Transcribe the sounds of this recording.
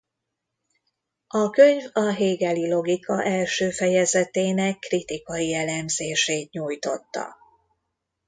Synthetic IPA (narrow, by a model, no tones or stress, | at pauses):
ɒkøɲvɒɦeːɡɛlilo̞ɡikɒʔɛlʃøːfɛjɛzɛt̪eːnɛkːrit̪ikɒjiɛlɛmzeːʃeːt̪ɲuːjt̪o̞t̪ːɒ̰